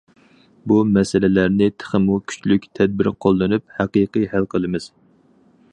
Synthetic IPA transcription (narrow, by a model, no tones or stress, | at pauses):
bumɛsɪlɪlæɾnɪt̪ʰə̥χəmukʲʰy̥t͡ʃlykʲt̪ʰɛd̪̚bɪɾqʰolˠːɨnup̚hæqiqɨjhælqʰəlˠɨmɪz̥